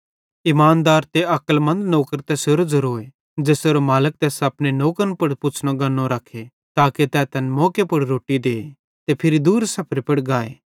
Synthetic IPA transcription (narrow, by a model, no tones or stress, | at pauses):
ɪmaːnd̪aːɾt̪eɐkəlmɐ̃nd̪noːkəɾt̪ɛseːɾd͡ʒɐɾoːe | d͡ʒeːseːɾomaːlək̚t̪ɛːsɐpnenoːkənpʊɽpʊt͡ʃʰɽ̃oɡɐnːõɾakʰe | t̪aːket̪ɛːt̪ɛnmɔːkepʊɽɾoːʈːid̪eː | t̪epʰɪɾid̪uːɾsɐpʰɾipɐɽɡaːḛː